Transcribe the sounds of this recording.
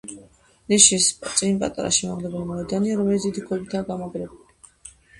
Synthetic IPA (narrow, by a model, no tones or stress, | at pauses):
nɛʃist̪sʼinpʼa̰t̪ʼa̰ɾa̰ʃimaʁlɛbulimɔɛd̪aniaɾɔmɛlit̪sd̪id̪ikʰwɛbit̪ʰaːɡamɔɡɾɛbuli